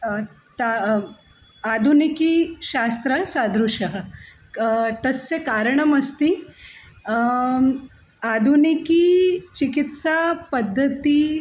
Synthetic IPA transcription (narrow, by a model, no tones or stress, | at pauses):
t̪a | ad̪ʱunikiɕast̪ɾəsad̪ɾuɕəɦə | t̪əsːekaɾɳəməst̪i | ad̪ʱunikiːt͡ɕikit̪sapəd̪ʱːət̪iː